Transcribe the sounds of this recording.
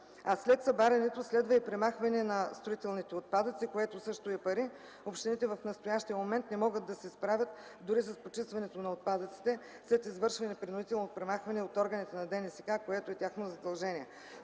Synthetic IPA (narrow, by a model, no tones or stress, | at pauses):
ɐslɛt̪sɐbaɾɛnɛt̪oslɛd̪vɐipɾɛmaxvɐnɛnɐst̪ɾoit̪ɛlˠnit̪ɛot̪̚pad̪ət̪sikoɛt̪osɤʃt̪oɛpɐɾi | opʃt̪init̪ɛvɐfnɐst̪ojaʃt̪ijɐmomɛnt̪nɛmɔɡət̪̚d̪ɐsɛspɾavʲjət̪ | d̪ʊɾisɐspot͡ʃist̪vɐnɛt̪onɐot̪̚pad̪ət̪si̥t̪ɛ | slɛt̪izvɤɾʃvɐnɛpɾʲinoʊd̪it̪ɛlˠnotpɾɛmaxvɐnɛot̪ɔɾɡənit̪ɛnɐd̪ɛnɛsɛkakoɛt̪oɛt̪ʲaxnozɐd̪ɐlˠʒɛniɛ